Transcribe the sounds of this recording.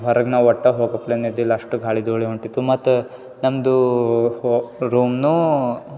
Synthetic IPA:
ɦɐɾɐɡnaːʋɔʈːɐɦoːɡɐplenid̪ilaʂʈuɡʱaːɭid̪oːɭiɦoɳʈit̪ːumɐt̪ːu | nɐmd̪uhoɾuːmnu

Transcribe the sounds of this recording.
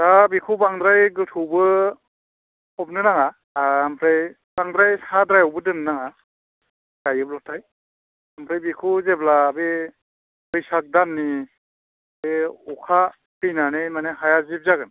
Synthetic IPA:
dabikʰubaŋdɾajɡɯtʰubɯ | ɔp̚nɯnaŋaː | mpʰɾej | b̥aŋdɾajsadɾajɔwbɯdɯnnaŋa | ɡ̥ajɯp̚lak̚tʰaj | ampʰɾajbikʰuzeblaːbe | bɯjsak̚danːi | beukʰa | pinanɯjmaneɦajazib̚zaɡɯn

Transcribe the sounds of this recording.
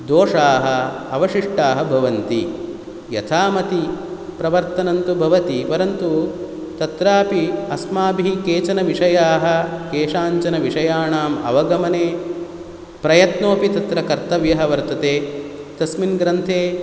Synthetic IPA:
d̪oːʂaːɦɐɐʋɐʂiʂʈaːɦɐbʱɐʋɐnt̪i | jɐ̰t̪ʰaːmɐt̪ipɾɐʋɐɾt̪ɐnɐnt̪ubʱɐʋɐt̪ipɐɾɐnt̪u | t̪ɐt̪ɾaːpiɐsmaːbʱiikeːt͡ʃɐnɐʋiʂɐjaːɦɐ̆keːʂaːɲt͡ʃɐnɐʋiʂɐjaːɳaːmɐ̰ʋɐɡɐmɐneː | pɾɐjɐt̪noːpit̪ɐt̪ɾɐkɐɾt̪ɐʋjɐɦɐʋɐɾt̪ɐt̪eːt̪ɐsminɡɾɐnt̪ʰeː

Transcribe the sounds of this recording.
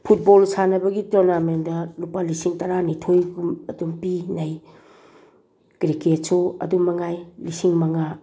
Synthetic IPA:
pʰut̚bolsanɐbɐɡitoɾnamendɐlupalisiŋtɐɾanitʰojɡumɐdumpinɐj | ɡ̥ɾiket̚soɐ̰dumːɐŋajlisiŋmɐŋa

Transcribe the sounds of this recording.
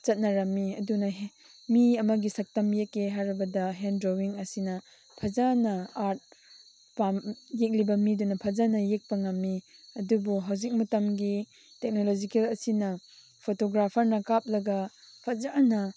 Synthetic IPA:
t͡ʃɐt̚nɐɾɐmːiɐdunɐɦ | miɐmɐɡisɐk̚tɐmjekːeɦajɾibɐdɐɦendɾowiŋɐsinɐ | pʰɐzanɐaɾt̚ | pamjek̚libɐmidunɐpʰɐzanɐjek̚pɐŋɐmːiɐdubuɦawzik̚mɐtɐmɡi | tek̚nolod͡ʒikelɐsinɐ | pʰotoɡɾapʰɐɾnɐkap̚lɐɡɐ | pʰɐzanɐ

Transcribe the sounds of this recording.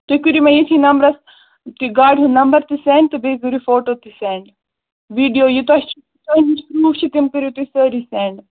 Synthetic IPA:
t̪ukuɾimɐ̃jit̪ʰinɐmbɾɐs | t̪iɡaːɖɦũnɐmbɐɾt̪isẽːɳɖt̪ɨbeɡuɾifoːʈoːt̪iseːɳɖ | ʋiːɖijoːjut̪ɐst͡ʃʰi | t̪ɐnikɾuːʋt͡ʃʰit̪imkɨɾiut̪isəɾisẽːɳɖ

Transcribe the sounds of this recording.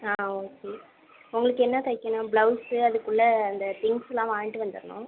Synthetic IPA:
aːoːkeː | ʊŋɡɐɭɯkːɯɛnːɐt̪ɐɪkːɐnɐ̃bɭɐʊsɯɐðɯkːʊɭːɐːnd̪ɐt̪ɪŋɡslãːʋaːnʈːɯʋɐnd̪ɯ̰ɾɐnʊ̰̃

